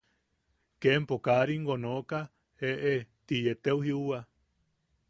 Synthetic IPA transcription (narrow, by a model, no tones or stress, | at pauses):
kempokaɾiŋɡonoka | eʔet̪ijet̪ewhiua